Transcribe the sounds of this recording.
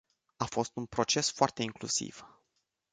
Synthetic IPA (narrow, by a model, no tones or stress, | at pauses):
afo̞st̪unpɾo̞t͡ʃe̞sfoart̪e̞iŋklṵsḭv̥